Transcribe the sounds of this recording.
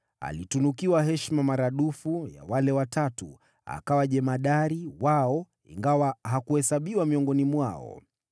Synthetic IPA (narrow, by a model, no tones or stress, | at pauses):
a̰litunukiwaɦɛʃmamaɾaɗufuja̰walɛwatatu | a̰kawaʄɛmaɗaɾiwaɔ | ḭŋɡawaɦakuhɛsaɓiwamiɔŋɡɔnimwaɔ̰